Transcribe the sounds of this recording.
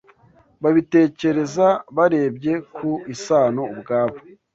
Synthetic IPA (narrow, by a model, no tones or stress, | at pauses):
βaβite̞ːce̞ɾe̞zaβaɾe̞ːbɟe̞kuisaːno̞ubɡaːβo̥